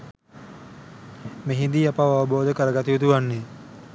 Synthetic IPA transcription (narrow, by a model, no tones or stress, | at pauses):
meɦind̪iapaʋaʋəboːd̪əkəɾəɡat̪iʋit̪uʋanːe